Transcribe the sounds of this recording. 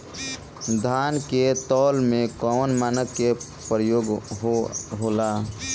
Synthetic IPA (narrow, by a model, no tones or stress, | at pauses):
d̪ʱaːnket̪ɔːlmẽkɔːnmaːnəkːe | pɾjoːɡɦoɦoːlaː